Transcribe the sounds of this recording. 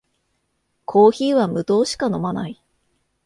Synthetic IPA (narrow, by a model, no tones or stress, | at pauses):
kʰo̞ːçiːβamɯ̟t̪o̞ːɕi̥kano̞manai